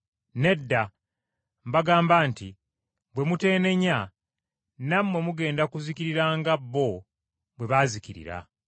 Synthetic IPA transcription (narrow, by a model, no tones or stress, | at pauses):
ne̞dːa | mbaɡaːmbanti | bwe̞mute̞ːne̞ɲa | namwe̞muɡe̞ːndakuziciɾiɾaːŋɡabːo̞ | bwe̞βaːziciɾḭɾa̰